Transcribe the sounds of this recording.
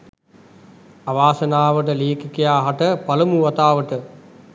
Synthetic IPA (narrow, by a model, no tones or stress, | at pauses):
aʋaːsənaːʋəʈ̬əleːkikijaːɦaʈəpaləmuʋɐt̪aːʋəʈə